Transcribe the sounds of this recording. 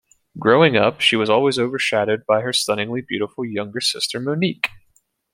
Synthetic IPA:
ɡ̥ɹoʊɪ̃ŋʌ̰pʃiwʌzɔlˠwizoʊvə˞ʃæɾod̚baɪə˞stʌnɪ̃ŋlibjʉɾəfl̩ˠjʌ̃ŋɡə˞sɪstʰə˞monik

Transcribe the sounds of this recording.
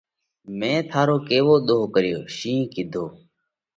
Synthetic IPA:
mẽːt̪ʰaːɾoːkeːʋoːɗ̪oːkəɾɪjo̰ːʃĩːkɪd̪ʱoː

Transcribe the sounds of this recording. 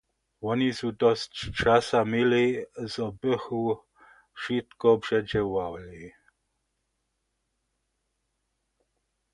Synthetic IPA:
wɔnisud̪ɔst͡ʃt͡ʃasamilizɔbəxu | ʃit̪kɔbʐɛd͡ʒɛwawli

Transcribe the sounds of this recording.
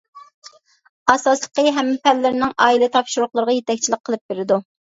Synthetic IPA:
ɑsɑslˠəqəɦɛmːɪpɛlːɪɾnɪŋɑːilɪt̪ʰɑpʃuɾʊχlˠəɾʁɑjet̪ɛk̚ʲt͡ʃʰilɪq̚qʰːəlˠɨp̚beɾɪd̪u

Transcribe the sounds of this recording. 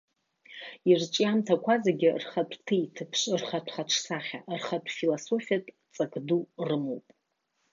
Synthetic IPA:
irt͡ʃʼijamtʰakʷʰazaɡʲɪrχatʷʰʼtʰɨitʰɨpʰʂrχatʷʰχaʈ͡ʂʰsaχʲa̰ʔrχatʷʰʼfilaso̞fijatʼ | t͡sʼakʼdurɨmowpʼ

